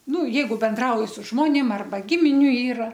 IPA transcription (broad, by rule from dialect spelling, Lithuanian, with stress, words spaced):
ˈnʊ ˈjɛɪɡʊ bʲɛnˈdrɐʊjɪ sʊ ˈʒmoːnʲeːm ˈɐrbɐ ˈɡʲɪmʲɪnʲʊ ˈiːrɐ